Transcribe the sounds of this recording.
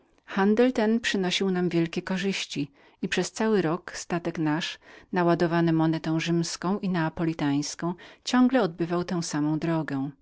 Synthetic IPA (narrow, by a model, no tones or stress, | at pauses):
xand̪ɛlt̪ɛnpʂɘnɔɕiwnamvʲjɛlkʲɛkɔʐɘɕt͡ɕi | ipʂɛst̪sawɘɾɔkst̪at̪ɛknaʂnawad̪ɔvanɛmɔnɛt̪ɛ̃w̃ʐɘmskɔ̃w̃ʔinɛːpɔlʲit̪aj̃skɔ̃w̃t͡ɕɔŋɡlɛɔd̪̚bɘvawt̪ɛ̃w̃samɔ̃w̃d̪ɾɔɡɛ̃